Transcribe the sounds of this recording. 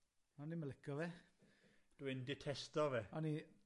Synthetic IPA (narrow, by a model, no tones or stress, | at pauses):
ɔniməlɪkʰɔvɛ | d̥uɪndɪtʰɛstɔvɛɔni